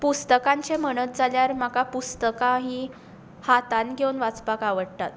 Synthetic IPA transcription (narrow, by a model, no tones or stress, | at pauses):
pust̪əkaɲt͡ɕeməɽ̃ət̪̚d͡zaljaɾmakapust̪əkãɦi | hat̪anɡʱewnʋat͡spakaʋəɽt̪at̪